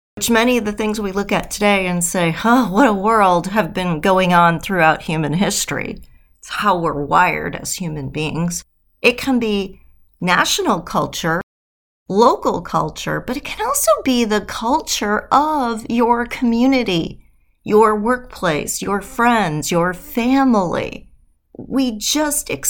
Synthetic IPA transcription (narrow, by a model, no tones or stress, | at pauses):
wɨt͡ʃmɛñiʌvðɨθɪ̃ŋzwilʊkɨtʰɨdeɪɨ̃nseɪowʌɾəwɜ˞lˠd̚ɨvbɨ̃nɡoʊɪ̃ŋə̃nθɹʉaʊt̚hjʉmɨ̃nɦɪstɹ̥ḭ | tshaʊwɪɹwa̰ɪə̰˞ɾɨ̰z̥hjʉmɨ̃nbiɪ̰̃ŋz̥ | ʔɨt̚kʰɨ̃nbi | næ̰ʃnl̩ˠkʰʌ̰lˠt͡ʃə˞ | loʊkl̩ˠkʰʌ̰lˠt͡ʃə̰˞b̥ʌɾɨt̚kʰɨ̃nɔlˠsoʊbiðɨkʰʌlˠt͡ʃə˞ʔʌvjə˞kʰəmjʉnɨɾi | jə˞wɜ˞k̚pʰl̥eɪsjə˞fɹɛ̃ndzjə˞fæ̃ml̩ˠḭ | wid͡ʒʌstɨks